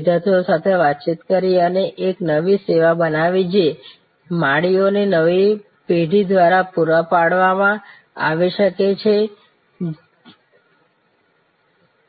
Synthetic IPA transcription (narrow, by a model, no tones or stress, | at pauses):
d̪ʱat̪ʰijosat̪ʰeʋat̪ːt͡ʃit̪kəɾiəneʔeknəʋiseʋabənaʋid͡ʒe | maɽionenəʋi | peɖʱid̪ʋaɾapuɾəpaɽʋamã | a̰ʋiʃəket͡ʃʰe